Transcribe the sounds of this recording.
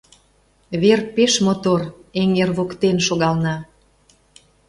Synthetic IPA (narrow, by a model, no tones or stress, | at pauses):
βerpeʃmot̪oreŋerβokt̪enʃoɣɑlnɑ